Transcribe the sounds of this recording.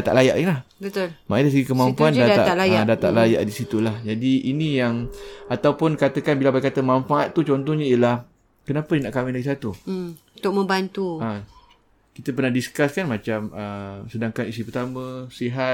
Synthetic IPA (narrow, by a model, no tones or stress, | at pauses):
at̪a̰ʔlajaʔilah | bətt̪ʊlmaʔidas̬əɡikəmampuuandaaaʔ̪alajadat̪a̰ʔlaja̰ʔdisit̪ulahd͡ʒadiinijaŋat̪awpʊnkat̪əkanbilabajkat̪əmanfaʔat̪̚ːut͡ʃɔnt̪ɔhɲaijəlah | kənapəjənaʔkawidaɡis̬at̪u | t̪ʊk̚mə̃mbant̪ua | kit̪əp̬ərnahdiskaskanmat͡ʃaməsədaŋkanisipərt̪amə̃siɦat